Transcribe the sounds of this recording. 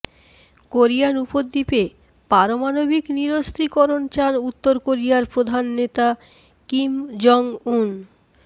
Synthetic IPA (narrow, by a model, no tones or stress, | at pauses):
koɾijanupod̪ːipe | paɾomanobikniɾost̪ʰɾikɔɾont͡ɕanut̪ːoɾkoɾijaɾpɾod̪ʱanːet̪a | kimd͡ʑɔŋun